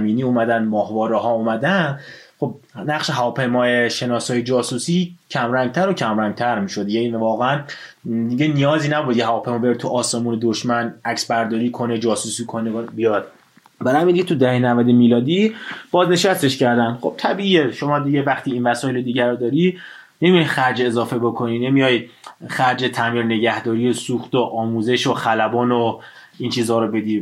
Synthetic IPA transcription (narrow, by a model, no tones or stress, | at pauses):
miːniːuːmæd̪ænd̪mɒːhvɒːɾeɦɒːumæd̪ænd̪χo̞b̚næχʃeɦævɒːpʰe̞jmɒːeʃe̞nɒːsɒːjed͡ʒɒːsusiːcʰæmɾæŋɡ̚t̪ʰæɾocʰæmɾæŋɟ̚t̪ʰæɾmiːʃo̞d̪jænivɒːɣeæn | d̪iɟenijɒːziːnæbud̪iɟeɦævɒːpʰe̞jmɒːbeɾid̪t̪ʰuʔɒːsemuːned̪oʃmænæcsbæɾd̪ɒːɾiːkʰo̞ned͡ʒɒːsusiːkʰonebijɒːd̪̥ | bæɾhæmind̪iɟeud̪æhenævæd̪emiːlɒːd̪ib̥ɒːzne̞ʃæst̪e̞ʃcʰæɾd̪ænd̪xo̞b̥̚t̪ʰæbiːiːeʃo̞mɒːd̪iɟevæxt̪ʰiːiːnvæsɒːjeled̪iːɟæɾod̪ɒːɾi | nemijɒjxæɾd͡ʒezɒːfe̞bokʰo̞niːne̞mijɒːjxæɾd͡ʒe̞t̪ʰæmiɾne̞ɟæhd̪ɒːɾijesuːxt̪oʔɒːmuːze̞ʃoxælæbɒːno | iːnt͡ʃʰiːzhɒːɾobe̞d̪iː